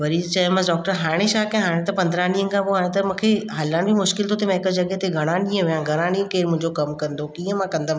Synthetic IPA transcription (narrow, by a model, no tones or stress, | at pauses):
ʋɐɾit͡ɕɐmãɖɔːk̚ʈəɾɦaːɽ̃eʃaːkẽɦaːɽ̃ẽt̪ɐpɐ̃nd̪ɾãɽĩːən̆kʰãpoɦaːɽ̃ẽt̪ɐmũkʰeɦɐlaɽ̃bimʊʃkɪlt̪ʰot̪ʰemãɪkəd͡ʑɐɠɛɦt̪ʰeɡʱɐɽ̃ãnĩːə̃ʋijãɡʱɐɽ̃aːɽ̃iːə̃keːɾmʊ̃ɦɪ̃ɲd͡ʑokɐmkɐ̃nd̪okiːə̃mãkɐ̃nd̪am